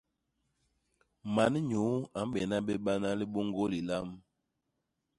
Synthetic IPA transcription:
ma˨˦n˦ɲu˨˦a˨m˦bɛ˨na˦bɛ˦ɓa˦na˦li˦bo˦ŋɡo˦li˨la˦m

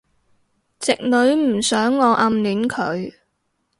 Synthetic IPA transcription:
t͡sɪ˨k̚lɵ˨˧˥ɥm̩˨˩sœː˨˥ŋːɔː˨˧ʔɐ˧mlyː˨˥nkʰɵ̰˨˧ɥ

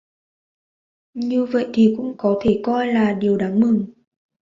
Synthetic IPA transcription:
ɲɨ˧və̰˧˨jt̪ʰi˨˩kʊ̰˧˥ŋ͡mkɔ˨˦t̪ʰe˧˩kɔ˧jlaː˨˩ɗi˨˩əwɗaː˨˦ŋmɨ˨˩ŋ

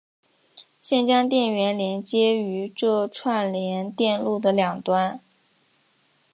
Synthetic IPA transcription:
ɕjɛ˥˩nt͡ɕjɑ˥ŋt̪jɛ˥˩nɥɛ˧˥nljɛ˧˥nt͡ɕjɛ˥y˧˥ʈ͡ʂɤ˥˧ʈ͡ʂʰwa˥˩nljɛ˧˥nt̪jɛ˥˧nlu˥˩d̪ə˩ljɑ˨˩ŋt̪wa˥n

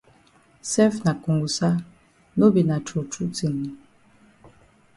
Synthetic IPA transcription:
sɛ˦fna˨ku˨ŋɡu˨sa˦ | no˦bi˨na˨t͡ʃo˨t͡ʃu˦t͡si˨ŋi˨

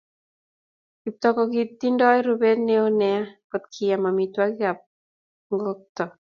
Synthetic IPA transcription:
ki˨p̚t̪ɔkɔɡi˨t̪ːi˦ndɔ˦ɛ˦ɾube˦dne˦o˦nɛa˦kɔ˨t̪̚kʰi˨ja˨ma˨mi˨twaɡka˨p̚ | ŋɡɔk̚t̪ɔ˨

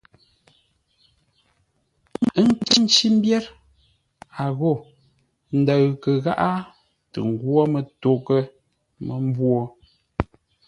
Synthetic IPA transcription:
ə˦ŋ̩˦ke˦n̩˦t͡ʃi˦m˦bjɛ˦ɾ | a˨ɣo˦˨ | n̩˦də˨ɣkə˨ɣa˦ʔa˦ | tə̰˨ŋ˨ɡwɔ˦mə˨to˨kə˦ | mə˨m˦bwo˦

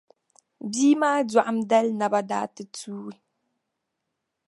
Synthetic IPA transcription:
biː˦maː˦da˨ʔa˦mdɛ˦lna˨ba˦da̰ː˦tɨ˦tʰuː˦i˦

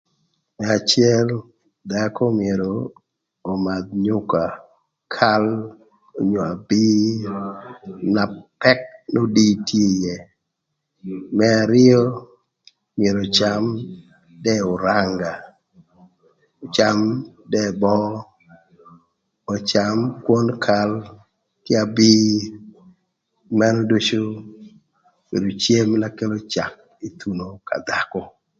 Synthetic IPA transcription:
mɛa˨t͡ʃɪɛ˦l | dako˦mɪ˨e˨ɾoː˨ | ma˨d̪̚ɲʊ˦ka˨ | kʰa˦l | o˨ɲo˨a˨bi˦ | na˨pɛ˦k̚no˦di˦tʰje˦jɛ˨ | mɛ˦a˨ɾɪɔ˦ | mɪe˨ɾo˨t͡ʃa˦m | dɛ˦ʊ˨ɾaŋɡa˨ | ɔ˨t͡ʃa˦mdɛ˦bɔ˦ | ɔ˨t͡ʃa˨mkwɔ˦nkʰa˦l | kɪ˦a˨bi˦ | ma˦no˦do˦t͡ʃo˦ | b̥ḛ˨do˨t͡ʃe˦mla˦ke˦lo˦t͡ʃa˨k̚ | i˨t̪u˨no˦ka̰˨d̪a˨kɔ˨

